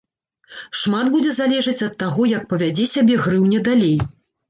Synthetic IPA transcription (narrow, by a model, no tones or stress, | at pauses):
ʂmad̪bud͡zʲɛzalʲɛʐɐt͡sʲɐt̪ːaɣɔjɐk̚pɐvʲad͡zʲɛsʲabʲɛɣɾɨwnʲɛd̪alʲej